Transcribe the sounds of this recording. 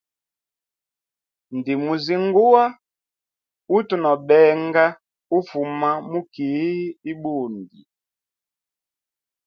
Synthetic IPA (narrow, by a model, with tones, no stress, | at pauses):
n˨di˨mu˨zi˨ŋ˦ɡu˦wa˦ | u˦tu˨nɔ˨bɛ˨˦ŋɡa˦ | u˦fu˨ma˦mu˦ki˨˦i˦i˦bu˦˨n˨di˨